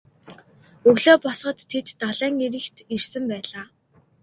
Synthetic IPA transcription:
ɵɣɮoːpɔsχɞ̆t̪ʰːet̪ːaɮæːŋiɾɘ̆kt̪irsɘ̆mpæːɮaː

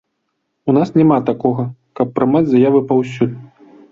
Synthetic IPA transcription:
unasnʲɛmat̪akɔɣɐkɐpːɾɨmad͡zʲzajavɨpawsʲud̪̚

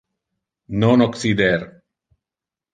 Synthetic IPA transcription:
nɔnɔksid̪eɾ

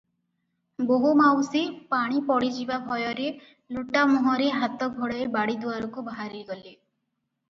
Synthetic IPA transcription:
boɦumawsipaɽ̃ipɔɽid͡ʒibabʱɔjɔɾe | luʈamɔɦɔɾeɦat̪ɔɡʱɔɽɔebaɽid̪uwaɾɔkubaɦaɾiɡɔle

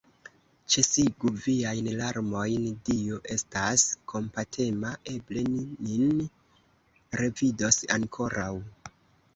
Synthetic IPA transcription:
t͡ʃesiɡuviajnlaɾmo̞jndioʔe̞staskʰo̞mpatʰe̞maʔe̞ble̞ninin | ɾe̞vido̞sa̰ŋkʰo̞ɾaw

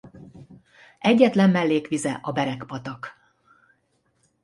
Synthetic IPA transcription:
ɛɟːɛt̪lɛmːɛlːeːkʋizɛʔɒbɛɾɛkpɒt̪ɒk

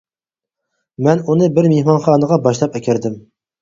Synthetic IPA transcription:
mɛnunɨbɪɾmehmɑnχɑːnəʁɑbɑʃlˠɑpɛkʲæɾd̪ɪm

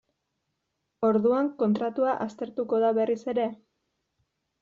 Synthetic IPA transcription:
o̞ɾðuaŋko̞nt̪ɾat̪uaʔast̪e̞ɾt̪uko̞ðaβe̞rise̞ɾe̞

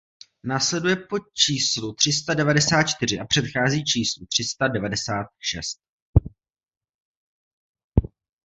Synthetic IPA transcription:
naːslɛdujɛpo̞t͡ʃiːslut̪r̝̥ɪst̪adɛvadɛsaːt̪̚t͡ʃt̪ɪrɪʔapr̝̥ɛt̪xaːziːt͡ʃiːslut̪r̝̥ɪst̪adɛvadɛsaːt̪̚ʃɛ̰st̪̚

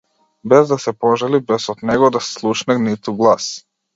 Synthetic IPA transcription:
bɛzd̪asɛpɔʒalibɛsɔd̪nɛɡɔd̪asslˠuʃnanit̪uɡlˠas

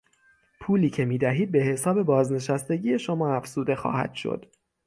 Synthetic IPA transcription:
pʰuːliːcʰe̞miːd̪æɦiːd̪̚be̞he̞sɒːbe̞bɒːzne̞ʃæst̪e̞ɟiːje̞ʃo̞mɒːæfz̥uːd̪e̞xɒ̰ːhæ̰d̪̥ʃo̰d̪̥

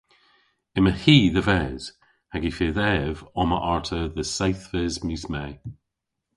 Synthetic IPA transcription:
ɪməhiːðəvɛːz̥ | haɡifeːðɛvɔmə̰ʔaɹtʰəðəsawθvɛzmjʉsmɛː

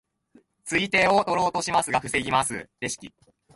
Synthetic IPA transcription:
t͡sɨit̪e̞ːo̞t̪o̞ɾo̞ːt̪o̞ɕimasɨɡaɸɯ̟se̞ɡʲimasɨ̰d̪e̞ɕi̥kʲḭ

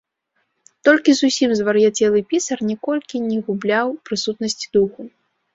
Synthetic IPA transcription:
t̪ɔlʲkʲizusʲimzvɐɾjat͡sʲɛlˠɨpʲisɐrnʲɛkɔlʲkʲinʲɛɣublʲawpɾɨsut̪nɐsʲt͡sʲid̪uxu

